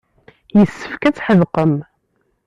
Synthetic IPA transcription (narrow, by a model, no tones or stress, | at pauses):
jəsːə̥fkæt͡sːħəðqəm